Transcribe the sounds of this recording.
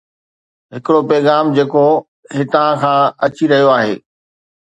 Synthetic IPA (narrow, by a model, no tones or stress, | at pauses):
ɦɪkɪɽopɛːɣaːmd͡ʑeːko | ɦɪt̪ãkʰãːɐt͡ɕiɾɐɦijoaːɦḛː